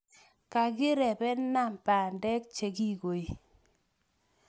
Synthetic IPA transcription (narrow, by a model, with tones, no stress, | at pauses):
ka˨ɡɪ˦ɾɛ˨bɛ˦na˦˨mpa˨ndɛ˦kt͡ʃe˨ɡi˦ɡo˨i˨